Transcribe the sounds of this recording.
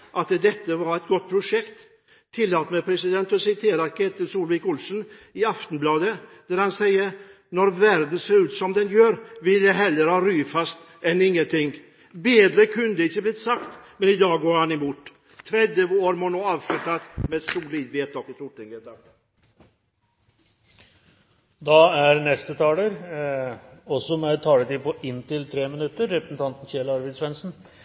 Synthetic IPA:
ʔɑt̪d̪ɛt̪ːəʋɑɾɛt̪̚ɡɔt̪̚ːpʰɾʊʂɛkt̪ʰː | ɪlːɑt̪mɛpʰɾɛsɪd̪ɛnt̪ɔsɪt̪ʰeːɾɑɾkʰɛt̪ːəsuːlʋɪːkʊlsənɪɑft̪n̩blɑːd̪əd̪̥æɾhɑnsɛɪːəɾ | nɔɾvæɾd̪n̩seːɾʉːt̪sɔmd̪ɛnjøːɾʋɪljæɪɦɛlːəɾhɑːɾyːfɑst̪ | ɛnɪŋːənt̪ʰɪŋ | beːd̪ɾəkʰʉnəd̪əɪçːəblɪt̪sɑkt̪mɛnɪd̪ɑːɡoːɾhanɪmuːt̪ː | t̪ʰːɾɛd̪jəoːɾmɔnoːɑːʋʂʉt̪at̪mɛd̪sʊliːd̪ʋeːt̪ɔkɪst̪ʊʈːɪŋət̪ɑ | d̪ɑæɾnɛst̪ət̪ʰɑːləɾ | ɔsɔmɛt̪ʰɑːlət̪iːpʰɔʔɪnːt̪ʰɪlt̪ʰɾeːmɪnʉt̪ːəɾːɛpɾəsɛn̩t̪ɑnt̪n̩çeːlɑɾʋɛɪd̪sʋɛnsn̩

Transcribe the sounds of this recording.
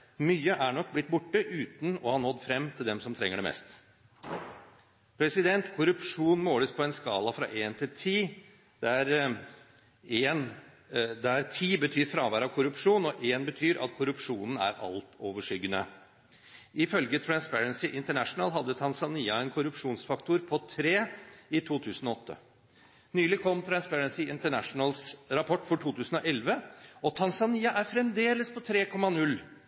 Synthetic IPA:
myːəʔæɳɔkːblɪt̪bʊʈːəʔʉːt̪n̩ɔhɑnhɔd̪ːfɾɛmːt̪ʰɪld̪ɛmsɔmt̪ʰɾɛ̰ŋːəɖɛmɛ̰ːst̪ | pʰɾɛsɪd̪ɛnt̪kʰʊɾʉpʂuːnmoːləspʰɔɛnskɑːlɑfɾɑ̰ʔeːnt̪ʰɪlt̪ʰiː | d̪̥ɛæɾ | eːn | d̪ɛæɾt̪ʰiːbət̪ʰyːɾfɾɑːʋæːɾɑʋkʰʊɾʉpʂuːnɔʔeːnbət̪ʰyːɾʔɑ̰t̪kʰʊɾʉpʂuːnən̩æ̰ɾɑ̰lt̪ʰoːʋəʂʏɡːənə | ʔɪfœlɡət̪ʰɾænspæɹənsɪʔɪnt̪əɳæʂnəlɦɑd̪ːət̪ʰɑnsɑniːɑɛnkʰʊɾʉpʂuːnsfɑkt̪ʊɾpʰɔt̪ʰɾeːɪt̪ʰuːt̪ʰʉːsən̩ɔɔt̪ːə̰ | nyːlɪkʰɔmːt̪ʰɾɑnspæɾənsɪɪnt̪əɳæʂnəlsɾɑpʰɔʈːfɔʈʰuːt̪ʰʉːsən̩ɔʔɛlʋəɔt̪ʰɑnsɑniːɑʔæɾfɾɛmd̪eːləspʰɔt̪ʰɾeːkʰɔmːɑnʉlː

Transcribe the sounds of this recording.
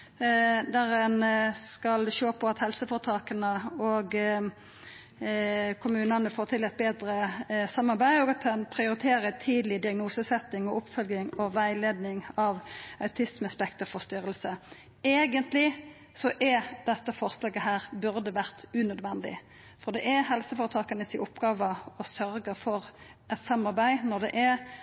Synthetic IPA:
d̪æʁɛnskɑlʃoːpʰɔɑt̪hɛlsəfɔʁt̪ʰɑːkənəɔɡ | kʰʊmʉːnɑnəfoːt̪ʰɪlɛt̪̚beːd̪ɾəsɑmːɑʁbæɪɔɡɑt̪ʰɛnpʰɾɪʊɾɪt̪ʰeːɾət̪ʰiːd̪lɪd̪ɪɑɡnuːsəsɛt̪ːɪŋɔʔʊpfœlɡɪŋɔʋæɪleːd̪nɪŋɑʋɑʉt̪ʰɪsməspɛkt̪əfɔʁst̪ʏɾəlsə | eːɡənt̪lɪ | sɔʔɛd̪ɛt̪ːəfɔɾslɑːɡəɦæːʁbʉɾd̪əʋæʁt̪ʉnœd̪ʋɛnd̪ɪ̰ | fɔʁd̪ɛʔɛɦɛlsəfoːɾət̪ʰɑːkənəsɪʔʊpɡɑːʋəɔsœɾɡəfɔʁ | ʔɛt̪sɑmːɑʁbæɪnɔʁd̪ɛʔɛ

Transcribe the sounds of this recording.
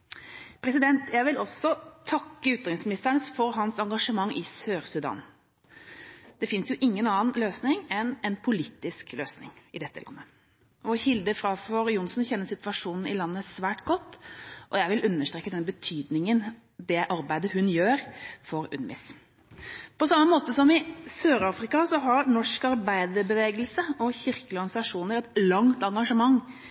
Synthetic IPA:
pʰɾɛsɪd̪ɛnt̪jæɪʋɪlɔsɔt̪ʰɑkːəʉːt̪ɑɾɪŋsmɪnɪst̪əɳəsfɔɾɦɑnsɑŋɡɑʂəmɑŋːʔɪsøːɾsʉd̪ɑ̰ːn | d̪̥ɛfɪnsjʊʔɪŋːənɑːnløːsnɪŋɛnɛnpʰʊlit̪ːɪskløːsnɪ̰ŋɪd̪ɛt̪ːə̰lɑ̰nːə | ɔhɪld̪əfɾɑfɔɾjʊnsnçɛnːəsɪt̪ʋɑʂuːnn̩ɪlɑnːəsʋæːʈɡɔt̪ːʔɔjæɪʋɪlʔʉnːəʂʈ̪ɾeːkːəd̪ɛnbət̪ʰyːd̪nɪŋən | d̪ɛʔɑɾbæɪd̪əhʉnjøːɾfɔɾʉ̰nʋɪ̰s | pɔsɑmːəmoːt̪əsɔmɪsøːɾɑːfɾɪkɑsɔɦɑɾnɔʂkɑɾbæɪd̪əɾbəʋeːɡəlsəɔçɪɾkəlɔɡnɪsɑʂuːnəɾɛt̪lɑŋt̪ɑŋɡɑʂəmɑŋː

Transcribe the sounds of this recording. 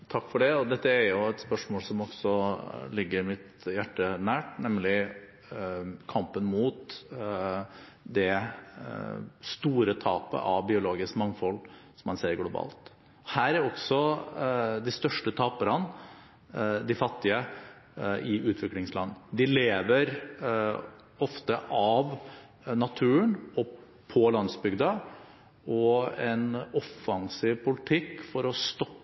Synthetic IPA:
t̪ʰɑkːfɔɖɛɔd̪ɛt̪ːəæɾjʊɛt̪spœʂmoːlsɔmɔɡ̥sɔlɪɡːəɾɪmɪt̪ | jæʈːənæːʈnɛmlɪ | kʰɑmpənmuːt̪ | d̪ɛ | st̪uːɾət̪ʰɑːpə̰ʔɑʋbɪʊloːɡɪskmɑŋːfɔlːsɔmːɑnseːɾɡlʊbɑ̰ːlt̪ | ɔhæːɾæɾɔɡsɔ | d̪ɪst̪œʂʈət̪ʰɑːpəɾən | d̪ɪfɑt̪ːɪə | ɪʉːt̪ʰʋɪklɪŋslɑnːd̪ɪleːʋəɾ | ɔft̪əʔɑʋ | nɑt̪ʰʉːəɳɔ | pʰɔlɑnsbʏɡd̪ɑ | ɔɛnɔfːɑŋsiːʋpʰʊlɪt̪ʰɪkːfɔɾɔst̪ɔpː

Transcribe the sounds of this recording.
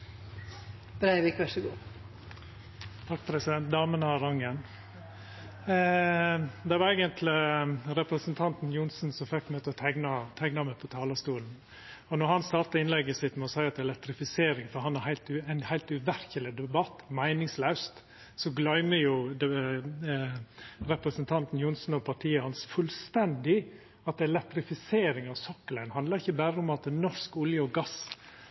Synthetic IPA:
b̥ɾæɪʋɪkʋæʂəɡuː | t̪ʰɑkːpʰɾɛsɪd̪ɛnt̪̚d̪ɑːmənəɑɾɑŋːən | d̪ɛæʋɑɾɛːɡənt̪ʰlɪɾɛpɾəsənt̪ʰɑnt̪n̩jʊnsn̩sɔmfɛkːmøːt̪əɔt̪ʰæɪɡnɑt̪ʰæɪɡnɑmɛpʰɔt̪ʰɑːlɑst̪uːln̩ | ɔnɔɾhɑnst̪ɑːɾt̪ɑɪnlɛɡːəsɪt̪mɛɔsæɪɑt̪d̪ɛlɛt̪ɾɪfɪseːɾɪŋfɔɾɦɑnæɾhæɪlt̪ʉæɪnhæɪlt̪ʉʋæɾçəlɪd̪ɛbɑt̪ːmæɪnɪŋslœʉst̪ | sɔɡlœʏməjʊd̪ɛ | ɾɛpɾəsənt̪ʰɑnt̪n̩jʊnsn̩ɔpʰɑʈʰiːəhɑnsfʉlst̪ɛnd̪ɪ | ɑt̪̚d̪ɛlɛt̪ɾɪfɪseːɾɪŋɑʋsɔkːəlæɪnhɑnd̪lɑɾɪçːəbæːɾəʊmɑt̪̚d̪ɛnɔʂkʊljəɔɡɑs

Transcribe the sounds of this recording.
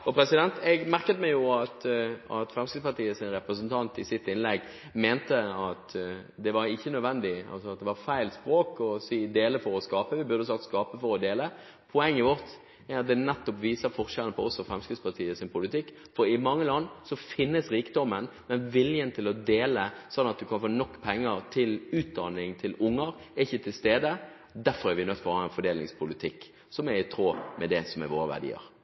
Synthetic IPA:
ɔpʰɾɛsɪd̪ɛnt̪ɛɡmæʁkət̪mɛjʊɑt̪ɑt̪fɾɛmskɪd̪spɑt̪iːəsɪnɾɛpɾəsənt̪ʰɑnt̪ɪsɪt̪ːɪnlɛɡ | meːnt̪əɑt̪d̪ɛʋɑɾɪçːənœd̪ʋɛnd̪ɪɑ̰lsɔɑt̪̚d̪ɛʋɑfæɪlspɾoːkɔsiːd̪eːləfɔɾɔskɑːpəʋɪbʉɾd̪əs̬ɑkt̪skɑːpəfɔɾɔd̪eːlə | pʰɔɛŋːəʋɔʁt̪ | æɾɑt̪̚d̪ɛnɛt̪ːɔpʋiːsəɾfɔɾʃɛlənəpʰɔɔsːɔfɾɛmskɾɪd̪spʰɑʁt̪ʰiːəsɪnpʰʊlɪt̪ɪkː | fɔɾɪmɑŋːəlɑnːsɔfɪnːəsɾiːkd̪ɔmːənmɛnʋɪljənt̪ʰɪlɔd̪eːləsɔnːɑt̪̚d̪ʉkɑnfoːnɔkːpʰɛŋːəɾt̪ʰɪlʉːt̪̚d̪ɑnɪŋt̪ʰɪlʊŋːəɾ | ɛɪçːət̪ʰɪlst̪eːd̪ə | d̪æɾfɔɾæɾʋɪnœt̪ːfɔɾɔhɑːɛnfɔɖ̪eːlnɪ̰ŋspʰʊlɪt̪ʰɪkː | sɔmɛɾɪt̪ʰɾoːmɛd̪ɛsɔmɛ̰ʋoːɾəʋæ̰ʁdɖḭːə̰ɾ

